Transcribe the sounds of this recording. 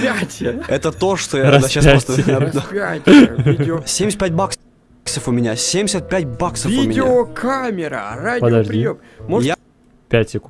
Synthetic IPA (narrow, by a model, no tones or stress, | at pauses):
pʲatʲɪɛt̪ət̪o̞ʂt̪ojad̪aɕasst̪əad̪apʲatʲ | sʲemʲsʲt̪pʲæt̚ʲbak | ksəfʊmʲɪnʲasʲemʲdʲɪsʲət̪̚pʲætʲbaksəvʲfiʊmʲɪnʲdʲɪokʰamʲɪɾə̰radʲpəd̪ɐʐd̪ʲijommoja | pʲætʲɪk